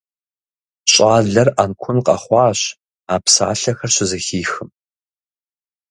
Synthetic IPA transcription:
ɕʼaːɮɐrʔankʷʰʊnqʼɐ̰χʷɑːɕ | aːpsa̰ːɬɐxɐrɕɪzɐxiːxɨm

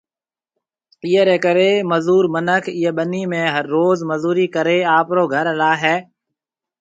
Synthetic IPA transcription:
iːeɾeːkəɾeːməzuːɾmənəkʰɪjeːɓəniːmẽːɦəɾːoːzməzuːɾiːkəɾeːaːpɾoːɡʱəɾlaːɦɛː

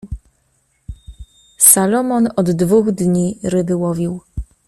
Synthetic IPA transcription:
salɔmɔnɔd̪ːvuɣd̪ɲiɾɘbɘwɔvʲiw

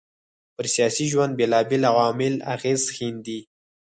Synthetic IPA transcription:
pəɾsijɑsiʒwand̪̚belɑbelawɑmɪla̰ɣezxind̪i

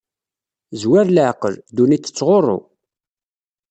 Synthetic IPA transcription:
zwæɾləʕqəld̪unit͡sːə̥t͡sːʁorˤːo̰

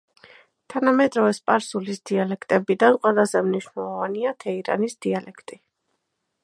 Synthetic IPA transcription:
t̪ʰanamɛd̪ɾɔvɛspʼaɾsulisd̪̥ialɛkʰt̪ʼɛbid̪anqʼwɛlˠazɛmniʃnɛlˠɔvaniat̪ʰɛiɾa̰nisd̪̥ialɛkʰt̪ʼi

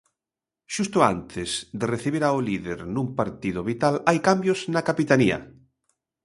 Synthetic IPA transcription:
ʃust̪ʊa̰nt̪ʰɪzd̪ereθiβ̞iɾaoliðeɾnũmpaɾt̪iðʊβit̪alajkambjoznakapit̪ania̰

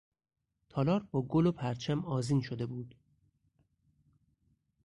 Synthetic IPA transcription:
t̪ʰɒːlɒːɾbɒːɡolopʰæɾt͡ʃʰæmɒːziːnʃod̪e̞buːd̪̥

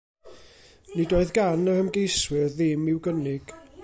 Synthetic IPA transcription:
nidoːɨðɡanəəmɡejswɨrðɪmɪwɡənɪɡ̥

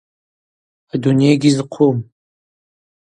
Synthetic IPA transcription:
adunejɡʲizɨqʷʰum

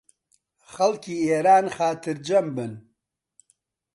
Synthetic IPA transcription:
xɐlkʰiːeːɾaːnxaːt̪ʰɨɾd͡ʒɐmbɨn

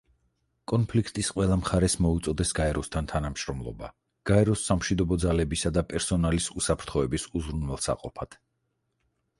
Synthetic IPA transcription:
kʼɔnpʰlikʰt̪ʼisqʼwɛlˠamχaɾɛsmɔut̪sʼɔd̪ɛsɡaɛɾɔst̪ʰant̪ʰanamʃɾɔmlˠɔ̰ba̰ | ɡ̥aɛɾɔsːamʃid̪ɔbɔd̪zalɛbisad̪apʼɛɾsɔnalisusapʰɾt̪ʰχɔɛbisuzɾunɛlˠsa̰qʼɔpʰat̪ʰ

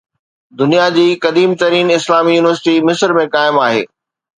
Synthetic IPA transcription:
d̪ʊnijad͡ʑiːkɐd̪iːmt̪ɐɾiːnɪslaːmijuːnɪʋəɾsɪʈimɪsəɾmẽkaːɪmaːɦḛː

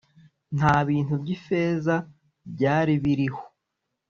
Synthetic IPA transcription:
n̥haːβiːn̥ubɟife̞ːza | bɟaːɾiβiɾiho

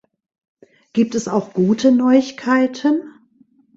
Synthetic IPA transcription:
ɡ̥iːp̚tɛsaʊxɡ̥uːtʰənɔʏɪçkʰaɪtʰən

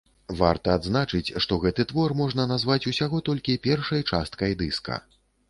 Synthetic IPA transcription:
va̰rt̪ɐːd̪znat͡ʂɨt͡sʲʂt̪ɔɣɛt̪ɨt̪vɔrmɔʐnɐnazvat͡sʲusʲaɣɔt̪ɔlʲkʲipʲɛrʂɐjt͡ʂa̰st̪̚kɐjd̪ɨskɐ̰

